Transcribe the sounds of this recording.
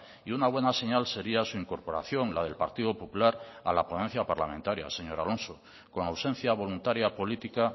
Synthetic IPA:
iunaβwe̞nase̞ɲalse̞ɾiasuiŋko̞ɾpo̞ɾa̰θjo̞ŋlað̞e̞lpaɾt̪iðopo̞pulaɾa̰lapɾonẽ̞n̟θjapaɾlamẽnt̪aɾja̰se̞ɲo̞ɾalo̞nso | ko̞nawsẽ̞n̟θjaβ̞o̞lunt̪aɾjapo̞lit̪ika

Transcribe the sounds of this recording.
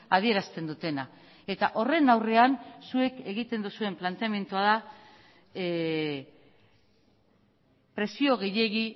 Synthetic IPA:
að̞ie̞ɾast̪e̞nd̪ut̪e̞na | e̞t̪a̰ʔo̞re̞nawre̞ansue̞ke̞ɣ̞it̪e̞nd̪usue̞mplant̪eame̞nt̪uaða | pɾe̞sio̞ɣ̞e̞jʎe̞ɣi

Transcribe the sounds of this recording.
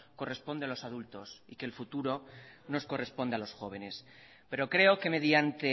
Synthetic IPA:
ko̞re̞spo̞nd̪ealosaðult̪o̞sike̞lfut̪uɾo̞no̞sko̞re̞spo̞nd̪ealo̞sxo̞β̞e̞ne̞s | pe̞ɾo̞kɾe̞o̞ke̞me̞ðjant̪e

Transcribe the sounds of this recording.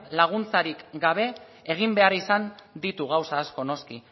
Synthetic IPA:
laɣ̞unt͡saɾikɡaβ̞e̞ | eɣ̞imbe̞aɾisand̪it̪uɣ̞awsaːsko̞no̞ski

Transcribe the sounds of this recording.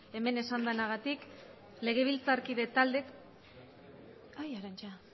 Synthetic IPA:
e̞me̞ne̞sand̪anaɣat̪ik | le̞ɣ̞e̞β̞ilt͡saɾkiðet̪ald̪e̞k | ajaɾant͡ʃa

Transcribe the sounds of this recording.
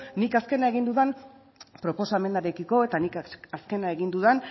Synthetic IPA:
nikaske̞nae̞ɣind̪uðan | pɾo̞po̞same̞nd̪aɾekiko̞e̞t̪anikaske̞nae̞ɣind̪uðan

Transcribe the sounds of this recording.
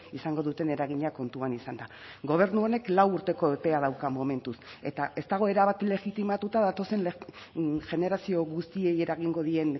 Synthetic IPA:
isaŋɡo̞ð̞ut̪e̞ne̞ɾaɣiɲako̞nt̪uanisand̪a | ɡo̞β̞e̞ɾnuo̞ne̞klawuɾt̪e̞ko̞epe̞að̞awkamo̞me̞nt̪use̞t̪ae̞st̪aɣ̞o̞e̞ɾaβat̪ile̞ɣit̪imat̪ut̪aðat̪o̞se̞nlʝe̞ne̞ɾasio̞ɣust̪ie̞je̞ɾaɣ̞iŋɡo̞ðie̞n

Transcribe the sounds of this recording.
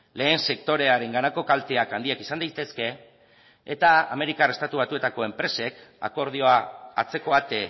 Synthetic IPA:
le̞ːnse̞kt̪o̞ɾe̞aɾe̞ŋɡanako̞kalt̪e̞akand̪iakisand̪ajt̪e̞ske̞ː | t̪aa̰me̞ɾikare̞st̪at̪uβat̪ue̞t̪ako̞e̞mpɾe̞se̞ka̰ko̞ɾð̞io̞aːt͡se̞ko̞at̪e

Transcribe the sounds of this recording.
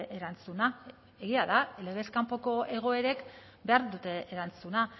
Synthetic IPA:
ʔeɾant͡suna | eɣiaðale̞ɣ̞e̞skampo̞ko̞ʔe̞ɣ̞o̞e̞ɾe̞k | be̞aɾðut̪e̞ʔeɾant͡suna

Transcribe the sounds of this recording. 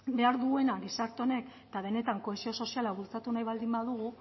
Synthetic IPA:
be̞aɾðuɣe̞naɣisaɾt̪one̞k | t̪aβ̞e̞ne̞t̪aŋko̞e̞sio̞so̞sialaβ̞ult͡sat̪unajβald̪imbaðuɣu

